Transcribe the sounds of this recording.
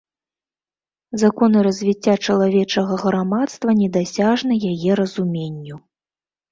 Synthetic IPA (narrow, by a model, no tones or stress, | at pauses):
zakɔnɨɾɐzʲvʲit͡sʲːat͡ʂɐlˠavʲɛt͡ʂɐɣɐɣɾamat̪st̪vɐnʲɛd̪asʲaʐnɨjajɛɾɐzumʲenʲːu